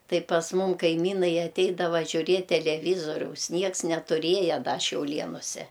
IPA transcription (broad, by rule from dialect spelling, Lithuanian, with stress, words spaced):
ˈtɐɪ pɐs ˈmʊm kɐɪˈmʲiːnɐɪ ɐˈtʲɛɪdɐʋɐ ʒʲʊˈrʲiɛtʲ tʲɛlʲɛˈʋʲiːzoːrʲɛʊs ˈnʲiɛks nʲɛtʊˈrʲiɛjɛ ˈdɐ ʃʲɛʊˈlʲiɛnʊsʲɛ